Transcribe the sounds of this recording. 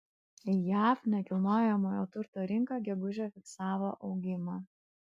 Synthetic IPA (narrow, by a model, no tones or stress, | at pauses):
jæːfnʲɛkʲɪlˠnoːjɛmoːjoːt̪ʊɾt̪oːɾʲɪŋkɑɡʲɛɡʊʒʲɛːfʲɪksɑːʋoːʔɒʊɡʲɪmɑː